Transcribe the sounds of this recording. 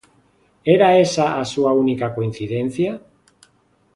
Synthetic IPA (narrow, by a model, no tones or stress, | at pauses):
eɾaesaʔasuaunikako̞inθiðenθia